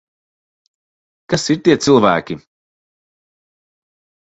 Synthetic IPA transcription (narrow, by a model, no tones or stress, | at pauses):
kasiɾt̪iɛt̪sɨlˠvæ̰ːkʲi